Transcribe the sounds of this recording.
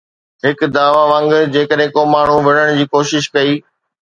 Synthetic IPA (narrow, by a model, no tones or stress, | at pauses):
ɦɪkd̪aːʋaʋɐ̃ŋɡd͡ʑeːkəɗɦẽkomaːɳ̤uʋɪɽəɽ̃d͡ʑiːkoːʃɪʃkɐiː